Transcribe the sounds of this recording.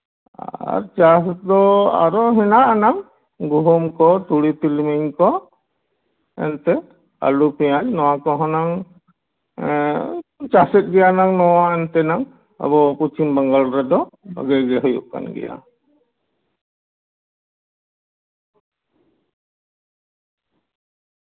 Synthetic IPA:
a̰ɾt͡ʃasd̪ɔa̰ɾɔɦɛnaʔnaŋ | ɡuɦɔmkɔt̪uɽit̪ilmiɲkɔ | ɛ̰nt̪ɛ | a̰lupɛjaɲnɔwakɔɦɔnaŋ | t͡ʃasɛt̪̚ˀɡɛjanaŋnɔwaɛnt̪ɛnaŋ | ə̰bɔput͡ʃimbaŋɡalɾɛd̪ɔə̰ɡɛɡɛɦujṵʔka̰nɡɛ̰ja̰

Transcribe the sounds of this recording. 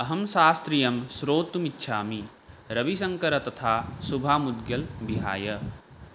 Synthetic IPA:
ɐɦɐmsaːst̪ɾijɐmsɾoːt̪umɪtːʃʰaːmi | ɾɐbisɐ̃ŋkəɾɐt̪ɐt̪ʰaːsubʱaːmʊd̪̚ɡjɐlbiɦa̰ːjɐ

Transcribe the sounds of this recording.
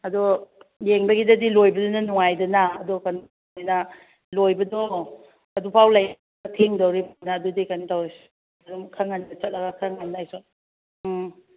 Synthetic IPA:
ɐdɔjeŋbɐɡidɐdilojbɐdɔnɐnuŋajdɐnaːdɔkan | ijnɐ | lojbɐdɔ | ɐdupʰawlaj | tʰiŋdowɾimonaːdudikanitaws | ɐdumkʰaŋːanɐt͡ʃɐt̚lɐɡɐkʰaŋanːajsɔ

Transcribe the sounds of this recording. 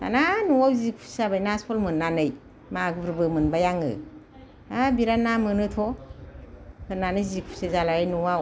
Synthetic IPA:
ta̰nanuwawzikʰu̥sabajnaspʰɔlmɯnːanɯj | maɡɾbɯmɯnbajaŋɯ̰ | abiɾanamɯnɯtʰɔ | hʰɯnanɯzikʰu̥sezalaɾajnuwaw

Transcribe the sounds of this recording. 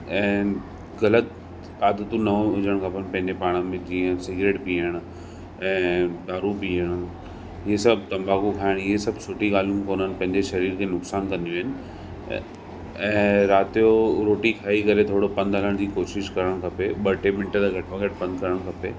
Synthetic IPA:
ɛ̃ː | ɣɐlət̪̚ | aːd̪ət̪ũnɐõɦʊd͡ʑəɽ̃kʰaːpənpɐ̃ɦɪ̃ɲd͡ʑepaːɽ̃əmẽd͡ʑiːə̃sɪɡɾeːʈpiːəɽ̃ | ɛ̃ːd̪aːɾupiːəɽ̃ | ɪɦesɐb̚ʱt̪ɐ̃mbaːkũkʰaːɪɽ̃ɪɦesɐbsʊʈiɠaːlũmkoːnəɪnɪ̆pɐ̃ɦɪ̃ɲd͡ʑeʃɐɾiːɾkʰeːnʊksaːnkɐ̃nd̪ijuɦɪnɪ̆ | ɛ̃ːɾaːt̪ijoɾoːʈikʰaːikɐɾet̪ʰoːɽopɐ̃nd̪ʱɦələɽ̃d͡ʑiːkoːʃɪʃkɐɾəɽ̃kʰɐpeɓɐʈemɪ̃ɳʈət̪aɡʱɐʈmãɡɐʈ̚pɐ̃nd̪̚kɐɾəɽ̃kʰɐpḛː

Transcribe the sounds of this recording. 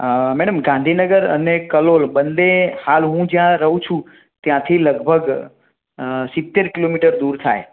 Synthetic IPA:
mɛɽəmɡãnd̪ʱinəɡəɾə̰nekəlolbənd̪ehalɦũd͡ʒjãɾəɦũt͡ʃʰũ | t̪jãt̪ʰiləɡbʱəɡ | sit̪ːeɾkilomiʈəɾd̪uɾt̪ʰa̰j

